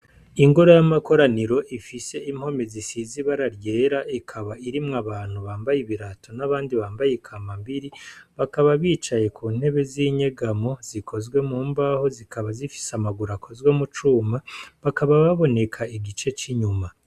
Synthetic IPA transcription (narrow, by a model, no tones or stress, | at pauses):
iŋɡo̞ɾojamako̞ɾaniɾo̞ʔifise̞ʔimho̞me̞zisiziβaɾaɾje̞ːɾaʔikʰaβaiɾimŋaβaːn̥huβaːmbajiβiɾatʰo̞naβaːndiβaːmbajekʰamambiɾiβakaβaβiːt͡ʃaje̞kuːn̥he̞βe̞ziɲe̞ɡamo̞z̥ikʰo̞zɡwe̞muːmbaho̞zikaβazifi̥samaɡuɾakʰo̞zɡwe̞mut͡ʃuːmaβakaβaβaβo̞ne̞kʰaiɡit͡ʃe̞t͡ʃiɲuma